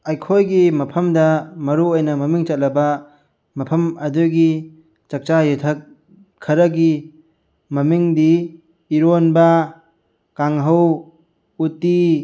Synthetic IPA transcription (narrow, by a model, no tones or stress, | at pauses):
ajkʰojɡimɐpʰɐmdɐmɐɾuojnɐmɐmiŋt͡ʃɐt̚lɐbɐ | mɐpʰɐmɐduɡi | t͡ʃɐk̚t͡ʃajut̪ʰɐk̚ʰː | ɐɾɐɡi | mɐmiŋdiː | ɾonbɐ | kaŋɦɐw | utːi